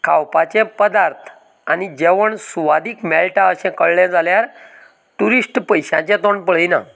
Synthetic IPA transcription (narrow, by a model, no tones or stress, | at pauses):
kʰawpat͡ɕẽpəd̪aɾt̪ʰ | anid͡ʑeʋəɳsuʋad̪iːkmɛlʈaəɕɛ̃kəɭːjãd͡zaljaɾ | ʈuɾisʈpəjɕã̰t͡ɕɛ̃t̪oɳpəɭ̤ina̰